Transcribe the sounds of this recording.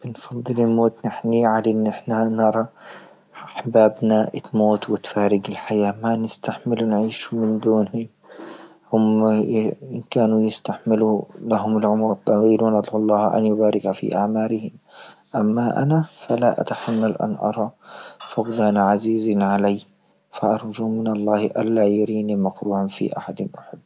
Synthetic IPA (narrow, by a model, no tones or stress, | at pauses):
b̥ɪnfɑd̪ˤːɨlɪlmoːt̪nɪħniʕalaʔɪnːʔɪħnanɑɾˤɑ | aħbaːbnaʔɪt̪moːt̪wɪt̪faːɾɪɡɪlħajaːmanɪst̪aħmɪlunʕiːʃumɪnd̪uːnhʊm | hʊm | ɪnkaːnujɪst̪aħmɪlulaɦʊmɪlʕʊmɾɨt̪ˤːɑwiːlanʔɑd̪ˤʕɑlˤːɑːhʔa̰njʊbaːɾɪkafḭʔa̰ʕmaːɾɪhɪmʔamːaʔa̰nafalaʔa̰t̪aħamːalʔa̰nʔɑ̰ɾˤɑfʊqd̪aːnaʕaziːzinʕalaj | faʔɑɾˤd͡ʒuːmɪnɑlˤːɑːhʔa̰lːajaɾiːnimakɾuːʕanfḭʔa̰ħad̪nwaħʊd̪̚